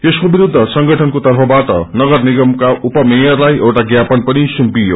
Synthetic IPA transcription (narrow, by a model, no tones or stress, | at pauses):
t̪eskobiɾud̪ʱːʌsʌŋɡʌʈʰʌnkot̪ʌrpʰʌbaʈʌ̰nʌɡʌrniɡʌmkaʔupʌmejʌrlajʔʌwʈaɡjapʌnpʌnisumpijo̰